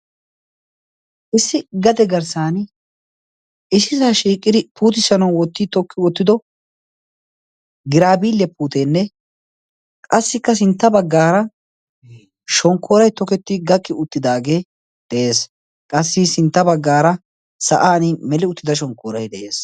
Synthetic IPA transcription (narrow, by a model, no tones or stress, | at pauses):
ʔɪsːɪɡɐd̪ɛɡɐɾsaːn | ɪsɪsaːʃiːkʼːɪd̪ɪpuːt̪̬ɪsɐnɐwwɔt̪ːɪt̪ɔkʰːɪwɔt̪ːɪd̪ɔ | ɡɪɾaːbiːljɐpuːt̪eːnːɛ | kʼɐsːɪkːɐsɪnt̪ːɐbɐɡːaːɾɐ | ʃɔŋkʰːoːɾɐjt̪ɔkɛt̪ːɪɡɐkʼːɪʊt̪ːɪd̪aːɡe̞ː | d̪̥ɛʔe̞ːs | kʼɐsːɪsɪnt̪ːɐbɐɡːaːɾɐ | sɐ̰ʔaːnɪmɛlɪʊt̪ːɪd̪ɐʃ̬ɔŋkːoːɾɐjd̪ɛʔeːs